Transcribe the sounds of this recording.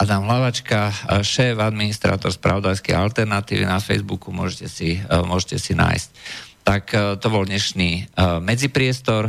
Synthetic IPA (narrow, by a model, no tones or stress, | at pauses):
ʔanaːmɦlaʋat͡ʃkaʃɛːvad̪minist̪ɾa̰ːt̪ɔɾspɾa̰ʋɔd̪ajskɛ̰jalt̪ɛɾnat̪iːʋḭnafɛ̰jzbukumʊɔʒɛcɛsimʊɔʒɛcɛsina̰ːjsct̪akt̪ɔbɔld̪ɲɛʃniːmɛd͡zipɾɪɛst̪ɔɾ